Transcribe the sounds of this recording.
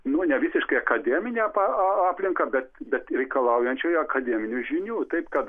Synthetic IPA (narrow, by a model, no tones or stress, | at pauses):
nʊnʲɛʋʲɪsʲɪʃkɐɪɐkɐd̪ʲɛːmʲɪnʲeːpɑɑɑːpʲlʲɪŋkɐbʲɛt̪bʲɛt̪ɾʲɛɪkɐlˠɐʊjɛnʲt͡ʃʲujɐkɐd̪ʲɛːmʲɪnʲʊʒʲɪnʲuːt̪ɐɪpkɐt̪